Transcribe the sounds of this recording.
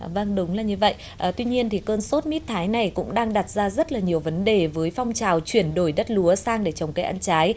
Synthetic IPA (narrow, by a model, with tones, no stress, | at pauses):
və˧ŋɗʊ˨˦ŋ͡mlaː˨˩ɲɨ˧və̰˧˨j | ʔəː˨˩t̪wi˧ɲi˧ənt̪ʰi˨˩kəː˧nso˦˥t̚mi˦˥t̚t̪ʰaː˨˦jna˨˩jkʊ̰˧˥ŋ͡mɗaː˧ŋɗa˨˩t̚zaː˧zə˦˥t̚laː˨˩ɲi˨˩əwvə˨˦nɗe˨˩vəː˨˦jfa˧wŋ͡mt͡ɕaː˨˩wt͡ɕwi˧˩ənɗo˧˩jɗə˦˥t̚lu˨˦əsaː˧ŋɗe˧˩t͡ɕə˨˩wŋ͡mkaː˨˦jʔa˧nt͡ɕaː˨˦j